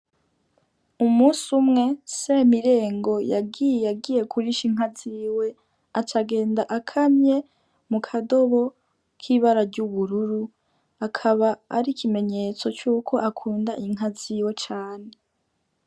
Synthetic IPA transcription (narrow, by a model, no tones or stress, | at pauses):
umuːsumŋe̞semiɾe̞ːŋɡo̞jaɡijjaɡiːje̞kʰuɾiʃiŋ̥aziwe̞ | at͡ʃaɡe̞ːndaʔakʰamɲe̞ | mukʰado̞βo̞ | kʰiːβaɾaɾɟuβuɾuɾu | akʰaβaːɾikʰime̞ɲe̞t͡so̞t͡ʃuːkʰo̞ʔakʰuːndaʔiŋ̥ɦaziwe̞t͡ʃaːne